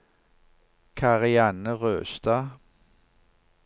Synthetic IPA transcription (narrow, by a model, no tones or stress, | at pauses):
kʰɑʁɪɑːnəʁøːst̪ɑː